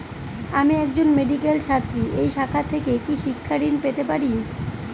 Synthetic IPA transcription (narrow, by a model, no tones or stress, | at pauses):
amiɛk̚d͡ʑonmeɖikelt͡ɕʰat̪ːɾiʔejʃakʰat̪ʰekekiʃikʰːaɾinpet̪epaɾi